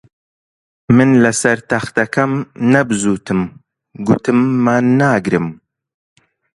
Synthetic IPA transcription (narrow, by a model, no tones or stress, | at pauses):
mɨnlɐsɐɾt̪ɐxt̪ɐkʰɐmnɐbɨzuːt̪ʰɨm | ɡut̪ʰɨmːaːnːaːɡɾɨm